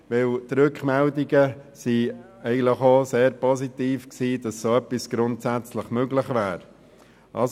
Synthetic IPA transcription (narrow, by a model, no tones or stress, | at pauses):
vɪltɾʏkχmɛldiɡəsi | ɛɪɡən̩tləχoseːɾpɔzit̪iːfksiːd̥ɑssoœpːisɡ̥ɾʊntsæt͡sləχmøɡləχvæːɾ | ʔɑ̰s